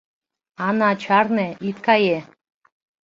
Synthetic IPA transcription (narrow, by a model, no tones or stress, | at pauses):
ɑnɑt͡ʃʰɑrneit̪kɑje